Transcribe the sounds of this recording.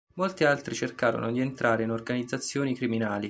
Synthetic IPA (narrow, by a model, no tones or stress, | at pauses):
molt̪ialt̪ɾit͡ʃerkaːɾo̰nod̪ient̪ɾʔaːɾeinorɡanid̪zːat̪sːjoːnikɾiminaːli